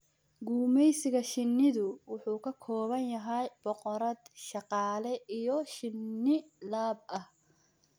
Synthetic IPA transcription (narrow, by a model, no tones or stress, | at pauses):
ɡuːmɛjsɪɣɐʃɪnːɪðʊwʊħuːkʰɐkʰɔːβɐnjɐɦɛjb̥ɔqɔɾɐd̪ʃɑqɑːlɛʔijɔʃɪnːɪlaːbɐh